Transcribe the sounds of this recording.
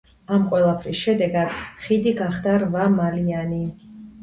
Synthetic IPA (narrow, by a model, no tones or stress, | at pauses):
amqʼwɛlˠapʰɾisʃɛd̪ɛɡad̪̥χid̪iɡaχd̪aɾvamaliani